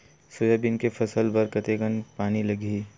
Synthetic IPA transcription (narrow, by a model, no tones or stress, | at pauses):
sʊːjabɪnkefʰɐsəlbɐɾkɐt̪eɡənpaːnilɐɡiː